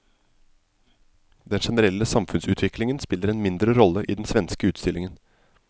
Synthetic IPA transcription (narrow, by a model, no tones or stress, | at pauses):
d̪ɛnʂɛnəɾɛlːəsɑmfʉnsʉːt̪ʰʋɪklɪŋənspɪləɾɛnmɪnd̪ɾəɾɔlːəʔiːd̪n̩sʋɛnskəʉːt̪st̪ɪlɪŋən